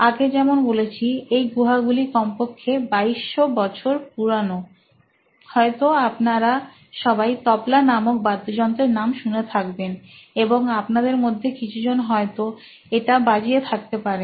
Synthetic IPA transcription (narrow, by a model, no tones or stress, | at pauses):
aɡed͡ʑɛmonbolet͡ɕʰiejɡuɦaɡulikɔmpokʰːebaiʃːobɔt͡ɕʰoɾp̚uɾano | hɔet̪oapnaɾa | ʃɔbajt̪ɔplanamok̚bad̪ːod͡ʑɔnt̪ɾeɾnamʃunet̪ʰakbeneboŋapnad̪eɾmod̪ʱːekit͡ɕʰud͡ʑonɦɔet̪o | eʈabad͡ʑiet̪ʰak̚t̪epaɾe